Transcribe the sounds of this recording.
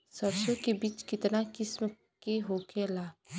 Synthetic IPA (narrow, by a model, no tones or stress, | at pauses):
sɐbʃõkebiːt͡ʃkɪt̪nakɪsm | keɦoːkelaː